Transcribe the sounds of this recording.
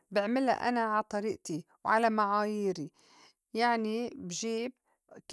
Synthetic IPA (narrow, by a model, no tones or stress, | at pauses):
bɪʕmɪla̰ʔa̰naʕat̪ˤɑɾiːʔt̪i | wʕalamaʕaːjiːɾi | jaʕnibʒiːb | k